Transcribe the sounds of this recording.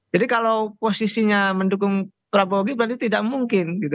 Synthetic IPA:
d͡ʒadikalawposisiɲamənduk̬ʊŋ | pɾaboɡibəɾant̪it̪idaʔmuŋkɪnɡit̪u

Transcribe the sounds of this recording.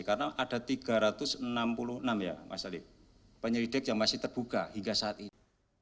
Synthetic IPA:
kaɾənaʔad̥a̤t̪iɡ̥a̤ɾat̪ʊsənampulʊhənamja̰mʔa̰salɪ | pəɲəɾid̥ɛkjaŋmasɪht̪ərb̥ukahiŋɡasaːt̪in

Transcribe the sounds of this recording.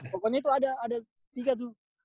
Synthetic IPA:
pɔkɔɲait̪uadaːda | t̪iɡat̪̬u

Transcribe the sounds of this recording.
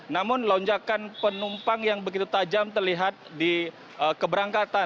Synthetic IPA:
namʊnloɲd͡ʒakanpənumpaŋjaŋbəɡit̪ut̪ad͡ʒamt̪ərliɦat̪̚di | ʔəkəbəɾaŋkat̪a

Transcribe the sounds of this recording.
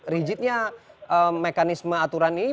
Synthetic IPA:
rid͡ʒit̪̚ɲaʔəmekanisməat̪uɾanini

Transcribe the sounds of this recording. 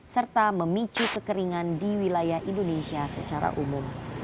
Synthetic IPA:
sərt̪aməmit͡ʃukəkəɾiŋandiwilajahindonesiasət͡ʃaɾa̰ʔumum

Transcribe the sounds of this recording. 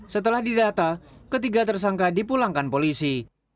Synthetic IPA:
sət̪əlahdidat̪akət̪iɡat̪ərsaŋkadipulaŋkanpolisi

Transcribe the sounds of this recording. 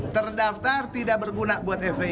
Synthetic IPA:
t̪ərdaft̪art̪idaʔ̚bərɡunabuat̪ɛfe

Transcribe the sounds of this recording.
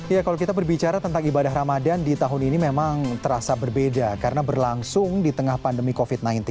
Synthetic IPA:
jakalokit̪abərbit͡ʃaɾat̪ənt̪aŋibadaɦramadandit̪aɦʊninimemaŋt̪əɾasabərbedakaɾənabərlaŋsʊŋdit̪əŋahpandəmikofit̪̚najnt̪ɪn

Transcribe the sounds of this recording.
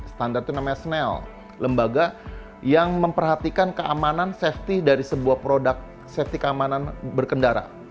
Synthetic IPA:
sə̥t̪andart̪unamaɲasnɛl | ləmbaɡa | jaŋməmpərɦat̪ikankəamanansɛft̪idaɾisəbuahpɾodak̚ | sɛft̪ikəamananbərkəndaɾa̰

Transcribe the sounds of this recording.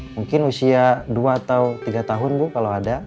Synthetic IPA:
muŋkɪnusiaduaːt̪awt̪iɡat̪aɦʊnbukalaada

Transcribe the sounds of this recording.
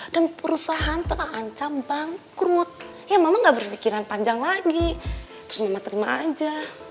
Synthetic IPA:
d̥anpəɾusaɦant̪əlahaɲt͡ʃambaŋkɾut̪̚ | jamamaŋɡaʔbərfikiɾanpaɲd͡ʒaŋlaɡi | t̪ɾʊsmamat̪əɾimaad͡ʒa

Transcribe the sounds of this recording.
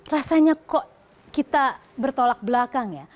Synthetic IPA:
rasaɲakoʔ | kit̪a | bərt̪olak̚blakaŋja

